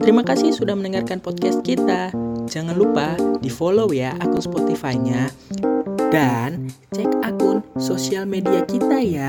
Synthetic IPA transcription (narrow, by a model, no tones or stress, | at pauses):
t̪əɾimakasɪhsudahmənəŋarkanpɔt̪̚kɛst̪̚kit̪ad͡ʒaŋanlupadifolowjaʔakʊnspot̪ifaiɲa | dan | t͡ʃɛkakʊnsosialmediakit̪aja